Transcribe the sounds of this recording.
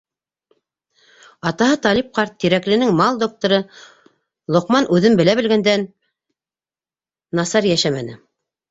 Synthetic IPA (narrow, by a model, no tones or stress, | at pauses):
ɑt̪ɑɦɤt̪ɑlip̚qɑɾt̪ːiɾæklɘ̆nɘŋmɑlˠd̪ok̚t̪ŏɾɤ | lˠŏqmɑnʉðɘmbɘ̆læβɘ̆lɡænd̪æn | ɑsɑɾjæʃæmæ̰nɘ̰